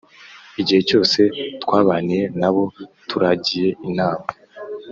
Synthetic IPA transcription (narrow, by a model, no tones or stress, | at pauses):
iɟihe̞co̞ːse̞twaːβaːnije̞naβo̞tuɾaɟije̞inaːma